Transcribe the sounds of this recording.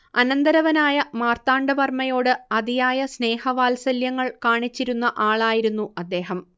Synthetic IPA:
ɐnɐnd̪ɐɾɐʋɐnaːjɐmaːrt̪aːɳɖɐʋɐrmɐjo̞ːɽɨɐd̪ijaːjɐsne̞ːhɐʋaːlsɐljɐŋːɐɭkaːɳit͡ɕːiɾunːɐʔaːɭaːjiɾunːuɐd̪ːe̞ːɦɐm

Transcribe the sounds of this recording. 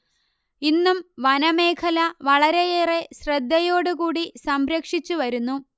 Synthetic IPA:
inːumʋɐnɐmeːkʰɐlɐʋɐɭɐɾejeːre̞ɕrɐd̪ːɐjo̞ːɽukuːɽisɐmɾɐkʂit͡ɕːuʋɐɾunːu

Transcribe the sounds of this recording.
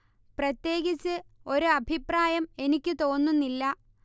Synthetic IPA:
prɐt̪je̞ːɡit͡ɕːɨo̞ɾuɐbʱipraːjɐme̞nikʲːɨt̪o̞ːnːunːilːɐ

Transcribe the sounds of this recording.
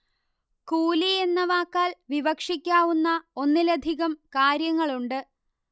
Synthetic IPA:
kuːlienːɐʋaːkːaːlʋiʋɐkʂikʲːaːʋunːɐo̞nːilɐd̪ʱiɣɐmkaːɾjɐŋːɐɭuɳɖɨ

